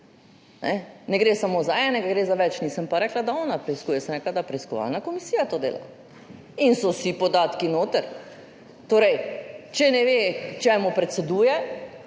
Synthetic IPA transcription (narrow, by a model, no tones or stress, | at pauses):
nɛnɛɡɾeːsamoːzaɛːnɛɡaɡɾeːzaʋɛt͡ʃniːsəmpaɾɛːklad̪aɔːnapɾɛiskuːjɛsɛnɛklad̪apɾɛiskɔʋa̰lnakɔmisiːjat̪oːd̪ḛːla̰ | insɔsipɔd̪aːt̪kinoːt̪əɾ | t̪oːɾɛjt͡ʃɛnɛʋet͡ʃɛmupɾɛt̪sɛd̪uːjɛ